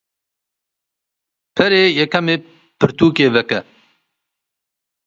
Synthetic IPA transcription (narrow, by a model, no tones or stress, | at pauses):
pʰɛɾeːjɛkɐmeː | pɨɾt̪uːkeːvɛkɛ